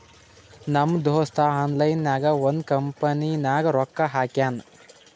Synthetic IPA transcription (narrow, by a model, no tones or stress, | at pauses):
nɐmd̪ʱoːst̪ʰaaːnlɐjnːaːɡɐʋɐnd̪kɐmpɐninaːɡɐɾɔkːaɦaːkjaːn